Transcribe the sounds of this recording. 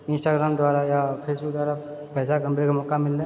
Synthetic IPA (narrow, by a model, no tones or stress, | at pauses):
ɪ̃nsʈaːɡɾaːmd̪waːɾajapʰeːsbʊk̚d̪waːɾa | pɛːsakɐ̃mpɾekamɔːkamɪlːẽ